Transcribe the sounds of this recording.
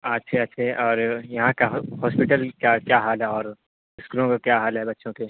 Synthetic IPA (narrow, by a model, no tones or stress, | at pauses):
ɐtːʃʰeɐtːʃʰeɛʔɔːɾjɐɦãkahɔːspɪʈəlkakjaɦaːlɦɛɔːɾ | ɪskulõkakjaɦaːlɦɛbɐtːʃʰõke